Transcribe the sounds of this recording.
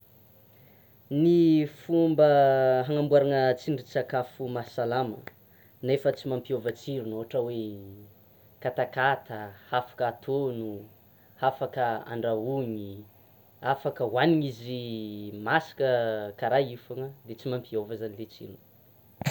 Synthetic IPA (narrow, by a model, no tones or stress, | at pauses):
nifumbəɦaŋambuaɾaŋət͡siɳɖ͡ʐit͡sakafumasalamə̰ | nefət͡simampiovət͡siɾunoɦaʈ͡ʂəwe | kat̪akat̪əhafḁkat̪ʰonu | hafakəa̰ɳɖ͡ʐauɲi | afakəwaniɲizimasi̥kəkaɾajifaŋəd̪et͡simampiovəzanilet͡sḭɾun